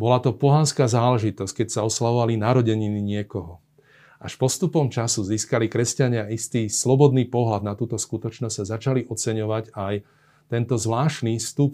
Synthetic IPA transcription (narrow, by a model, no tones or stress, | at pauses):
bɔlat̪ɔpɔɦanskaːzaːlɛʒit̪ɔsckɛcsaɔslaʋɔʋalinaɾɔɟɛɲiniɲɪɛkɔɦɔ | ʔa̰ʃpɔst̪upɔmt͡ʃasuziːskalikɾɛscaɲɪaist̪iːslɔbɔd̪niːpɔɦlad̪̚nat̪uːt̪ɔskut̪ɔt͡ʃnɔzɟ̥azat͡ʃaliʔɔt͡sɛɲɔʋacaj | t̪ɛnt̪ɔzʋlaːʃniːst̪up